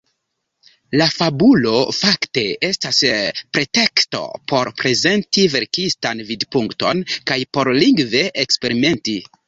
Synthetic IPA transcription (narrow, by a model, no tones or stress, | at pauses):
lafabulo̞fakte̞e̞staspɾe̞te̞ksto̞̰pʰo̞ɾpɾe̞ze̞ntive̞ɾkistanvidpuŋkto̞̰nkajpo̞ɾliŋɡve̞ʔekspe̞ɾime̞nti